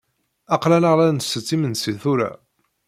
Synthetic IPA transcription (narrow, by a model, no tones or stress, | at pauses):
ɑqlænəʁlænsət͡sːimənsiθuɾæ̰